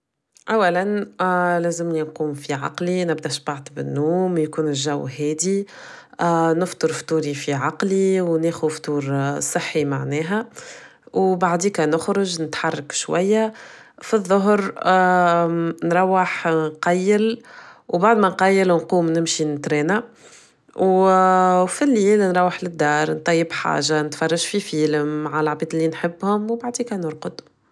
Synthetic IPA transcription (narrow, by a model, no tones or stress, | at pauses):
ʔæwːælænlæːzɪmlinquːmfiʕɑ̰qlinɪbd̪æʃbɑʕt̪ˤəbɪnːuːmjkuːnɪlʒæwhɛːd̪i | nɪft̪ˤɨɾft̪uːɾifiʕɑqliwneːxuft̪ˤuːɾsˤəħːimaʕnɛːɦæ | wbaʕd̪iːkænʊxɾʊʒnɪt̪ħɑrˤːɑkʃwæ̰jːa | fiðˤːʊɦɾ | nɾˤɑwːəħqɑjːɪlwbaʕd̪mɛnqɑjːəlnquːmnɪmʃinɪt̪ɾɛːna | w | filːiːlnɾˤɑwːəħlɪd̪ːɑːɾˤnt̪ˤɑjːəbħa̰ːʒanɪt̪fɑrˤːɑʒfifiːlɪmːaʕalʕbiːd̪ɪlːinħɪbːhʊmwbaʕd̪iːkænʊɾˤqʊd̪